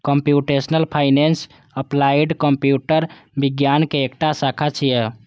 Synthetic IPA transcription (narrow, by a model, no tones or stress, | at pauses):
kəmpjuʈesnəlpʰaɪnens | əplaiɖkəmpjuʈəɾbiɡjankeekʈasakʰat͡ʃʰijɛ